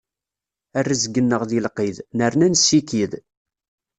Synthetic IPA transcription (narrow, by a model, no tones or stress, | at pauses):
ærːæzɡənːəʁðilqiðnəɾnænsːikið